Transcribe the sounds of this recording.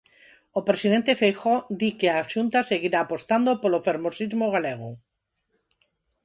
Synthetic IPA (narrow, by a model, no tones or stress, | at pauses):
opɾesiðent̪efejxod̪ikeaʃunt̪aseɣiɾaːpost̪and̪opolofeɾmosizmoɣ̞aleɣ̞o̰